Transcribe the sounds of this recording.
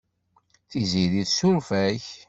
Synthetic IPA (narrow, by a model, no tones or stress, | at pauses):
θiziðiðsumfæç